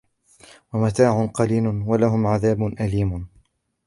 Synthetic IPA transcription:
wamat̪aːʕʊnqɑliːlʊnwalaɦʊmʕaðaːbʊnʔaliːmʊ

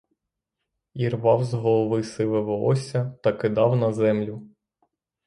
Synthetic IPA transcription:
irʋɑwzɦɔlˠɔʋɪsɪʋeʋɔɔsʲɐt̪ɐkɪd̪ɑwnɐzɛmlʲʊ

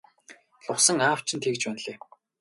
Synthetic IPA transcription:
ɮʊχsə̆ŋaːw̥t͡ɕʰɪ̆nt̪ʰekt͡ɕpænɮeː

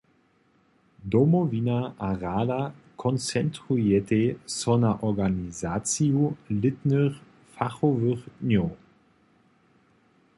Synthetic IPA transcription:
d̪ɔmɔvinaʔaʁaːdakʰɔnt͡sɛntʁujɛt̪esɔnaʔɔʁɡanizaːt͡sijulɪt̪nəχ | faχɔvəχdɲo

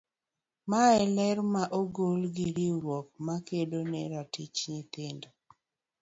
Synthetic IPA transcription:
maɛlɛɾmaʔoɡolɡɪɾɪɾwɔk̚makedonɛɾatit͡ʃɲit̪ɪndo

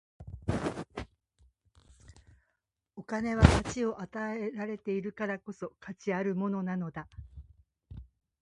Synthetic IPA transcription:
o̞kane̞β̞akat͡ɕio̞ʔat̪ae̞ɾaɾe̞t̪e̞iɾɯ̟kaɾako̞so̞kat͡ɕiaɾɯ̟mo̞no̞nano̞d̪a

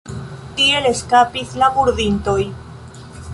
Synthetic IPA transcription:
tie̞le̞skapislabuɾðinto̞j

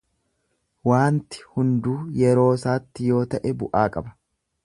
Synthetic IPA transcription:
waːnt̪ɪ̥hʊnd̪uːjɛɾo̞ːsaːt̪ːɪjo̞ːt̪ɐʔɛbʊʔaːkʼɐbɐ̥

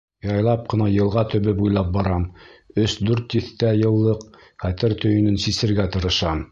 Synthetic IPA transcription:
jɑjlˠɑp̚qɤ̆nɑjɤ̆lˠʁɑt̪ɵ̆βɘpujlˠɑp̚bɑɾɑmɵsd̪ʉɾt̪jɘ̆θt̪æjɤ̆lˠːɤq | χæt̪ɘɾt̪ɵ̆jɵ̆nɵnsisɘ̆ɾɡæt̪ɤ̆ɾɤ̆ʃɑm

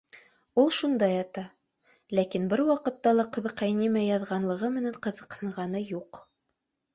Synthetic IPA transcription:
ulˠʃund̪ɑjɑt̪ɑ | lækinbɘɾwɑqɤ̆t̪ːɑlˠɑqɤ̆ðɤ̆qːɑjnimæjɑðʁɑnlˠɤ̆ʁɤmɘ̆næɴqɤ̆ðɤ̆qhɤ̆ɴʁɑnɤjuq

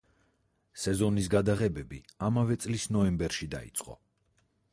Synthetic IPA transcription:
sɛzɔnisɡad̪aʁɛbɛbiamavɛt̪sʼlisnɔɛmbɛɾʃid̪a̰ḭt̪sʼqʼɔ̰

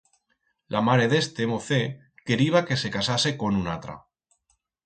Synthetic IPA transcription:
lʔamaɾe̞ðe̞st̪e̞moθe̞ | ke̞ɾiβ̞ake̞se̞kasase̞ko̞nuna̰t̪ɾa̰

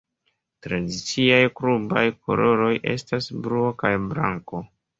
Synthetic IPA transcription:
tɾadit͡siajkɾuba̰jkʰo̞̰lo̞ɾo̞jʔe̞̰stasbɾuokajbɾa̰ŋko̞

